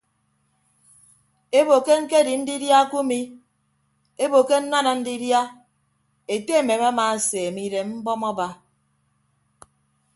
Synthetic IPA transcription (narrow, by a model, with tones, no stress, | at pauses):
e˦bo˨ke˦ŋ̩˦ke˦di˨n̩˦di˦dja˦ku˦mi˦ | e˦bo˨ke˦n̩˦na˦na˨n̩˦di˦dja˦ | e˨te˦e˦˨me˨m˦a˦ma˨se˨e˨mi˦de˨m̩˦bɔ˦mɔ˦ba˦